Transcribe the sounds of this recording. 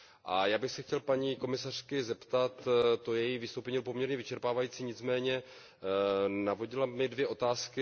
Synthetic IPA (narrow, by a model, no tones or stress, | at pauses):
ʔajaːbɪxsɛxcɛlpaɲiːko̞mɪsar̥kɪzɛpt̪at̪ːojɛjivɪst̪owpɛɲilpo̞mɲɛɾɲɛvɪt͡ʃɛɾpaːvajiːt͡siːɲɪt͡smɛːɲɛ | navo̞ɟɪlamɪdvjɛʔo̞t̪aːskɪ